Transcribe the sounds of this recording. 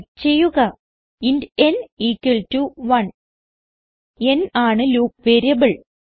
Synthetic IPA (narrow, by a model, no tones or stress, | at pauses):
t͡ɕejːuɣɐ | indeniːkːiltuʋɐn | enaːɳɨluːk̚ʋeːɾijɐbɨɭ